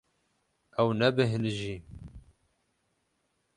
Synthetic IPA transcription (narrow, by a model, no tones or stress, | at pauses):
ɛwnɛbɨɦɨnʒiː